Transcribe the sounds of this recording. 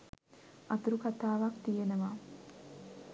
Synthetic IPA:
at̪uɾukat̪aːʋakt̪ijenəʋa

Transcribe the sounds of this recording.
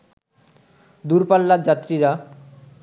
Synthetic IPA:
d̪uɾpalːad͡ʑat̪ːɾiɾa

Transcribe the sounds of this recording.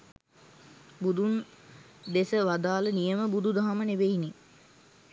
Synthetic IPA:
bud̪un | d̪esəʋad̪aːlənijəməbud̪ud̪aɦamənebeini

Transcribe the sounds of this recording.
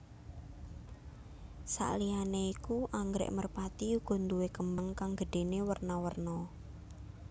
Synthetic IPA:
sa̰ʔlianeikuʔaŋɡɾɛ̰ʔmərpat̪iuɡ̥ɔ̤nd̪uwekəmbaŋkaŋɡ̥əɖ̥e̤newərnawərnɔ

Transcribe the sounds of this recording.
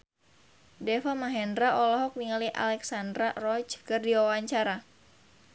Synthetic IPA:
dɛfamaɦɛndɾaʔɔlɔɦɔk̚niŋaliʔa̰lɛksandɾarɔt͡ʃkɨrdiwawaɲt͡ʃaɾa

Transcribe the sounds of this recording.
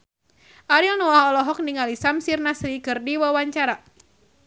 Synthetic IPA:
ʔaɾilnɔahɔlɔɦɔk̚niŋalisamsirnasɾikɨrdiwawaɲt͡ʃaɾa

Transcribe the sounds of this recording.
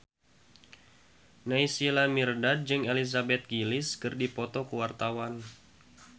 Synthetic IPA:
naisilamirdad̪̚d͡ʒɨŋelis̬abɛt̪̚ɡilɪskɨrdipɔt̪ɔkəwart̪awan

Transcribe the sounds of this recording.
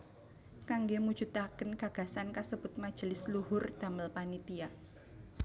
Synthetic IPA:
kaŋɡemud̥d͡ʒ̥ut̪akənɡ̥a̤ɡ̥a̤sankasəb̥ʊt̪̚mad̥ʒ̥əlɪsluɦʊrd̪̥a̤məlpanit̪ia

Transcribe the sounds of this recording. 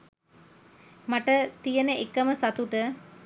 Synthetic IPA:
maʈət̪ijənəekəməsat̪uʈə

